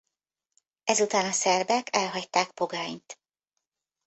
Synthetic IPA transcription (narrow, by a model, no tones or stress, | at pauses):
ɛzut̪aːnɒsɛrbɛkʰɛlɦɒct̪aːk̚po̞ɡaːɲt̪